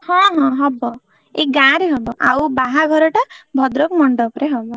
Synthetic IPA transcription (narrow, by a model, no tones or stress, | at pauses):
hɔ̃ɦɔ̃ɦɔbɔ | eɡaɾeɦɔbɔʔawbaɦaɡʱɔɾɔʈabʱɔd̪ɾokmɔɳɖɔpɾeɦɔbɔ